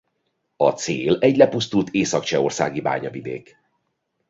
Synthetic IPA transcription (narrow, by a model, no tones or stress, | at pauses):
ɒt̪seːlɛɟlɛpust̪ult̪eːsɒkt͡ʃɛo̞rsa̰ːɡiba̰ːɲɒvid̪ḛːk